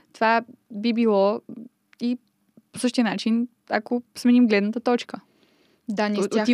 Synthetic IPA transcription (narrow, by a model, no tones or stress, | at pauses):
t̪ovabibilˠɔ | i | po̥sɤʃt̪iənat͡ʃin | akosmɛnimɡlɛd̪nət̪ət̪ɔt͡ʃkə | d̪anoi